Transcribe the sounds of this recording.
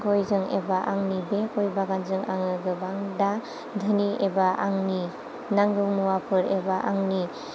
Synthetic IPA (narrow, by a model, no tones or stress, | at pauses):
kojzɯŋḛbaʔaŋnibekojbaɡanzɯŋaŋɯɡɯbaŋda | d̪ʱɯniebaʔaŋni | naŋɡɯwmuwapʰɯɾebaʔaŋni